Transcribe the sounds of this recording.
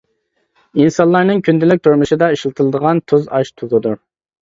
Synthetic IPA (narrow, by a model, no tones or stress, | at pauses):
insɑnllˠɑɾnɨŋkʰʲynd̪ɪlɪk̚ʲt̪ʰuɾmuʃɨd̪ɑiʃlˠɨt̪ʰɨlˠɨd̪əʁɑnt̪ʰuzɑʃt̪ʰuzɨd̪u